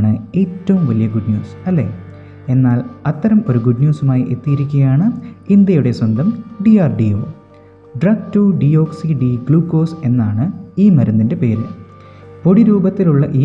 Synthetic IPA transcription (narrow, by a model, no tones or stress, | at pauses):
ɳɨe̞ːtːɐʋumʋɐlijɐɡuɖnjuːsɐlːe̞̰ | e̞nːaːlɐt̪ːɐɾɐmo̞ɾuɡuɖnjuːsumaːjiʔe̞t̪ːijiɾikʲːuɣɐjaːɳɨind̪jɐjuɽe̞swɐnd̪ʱɐmɖiaːrɖio̞̰ː | ɖrɐɡtuɖio̞ːksiɖiɡɭuːkːo̞ːse̞nːaːɳɨiːmɐɾɐnːinde̞pe̞ːɾɨ | po̞ɽiɾuːbɐt̪ːiluɭːɐʔiː